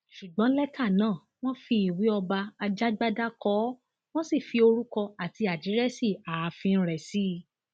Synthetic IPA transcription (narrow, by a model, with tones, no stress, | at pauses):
ʃu˨ɡ͡bɔ̃˨˦lɛ˦ka˦˨nãː˦˨ | w̃ɔ̃˦fi˧i˨wi˨˦ɔ˧ba˧a˧d͡ʒa˦ɡ͡ba˦da˦kɔ˨˦ | w̃ɔ̃˦si˦˨fi˧o˧ɾu˦kɔ˧a˨ti˧a˨d͡ʒi˨˦ɾɛ˦si˦˨a˨˧fĩ˧˦ɾɛ˨si˦